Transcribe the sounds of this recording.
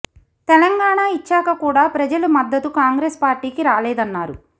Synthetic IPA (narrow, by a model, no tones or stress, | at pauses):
t̪ɛlɐŋɡaːɳaːit͡ʃːaːkɐkuːɽaːpɾɐd͡ʒɐlumɐd̪ːɐt̪ukaːŋɡɾeːspaːɾʈiːkiɾaːlɛːd̪ɐnːaːɾu